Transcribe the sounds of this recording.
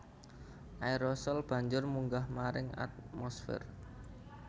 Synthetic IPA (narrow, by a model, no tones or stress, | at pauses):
ʔajɾɔsɔlb̥ä̤ɲd͡ʒʊrmuŋɡahmaɾɪŋa̰t̪̚mɔsfɛ̰r